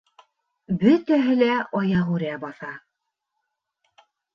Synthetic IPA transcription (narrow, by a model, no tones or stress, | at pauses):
bɵt̪æɦɘ̆læʔɑjɑʁʉɾæbɑθɑ